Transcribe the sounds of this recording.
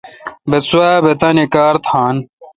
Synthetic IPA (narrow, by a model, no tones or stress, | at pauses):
besuaːbet̪ɐnekaːɾt̪ʰãːn